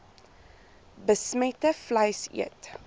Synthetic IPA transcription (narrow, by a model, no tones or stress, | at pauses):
bəsmɛtəflɐjsḭət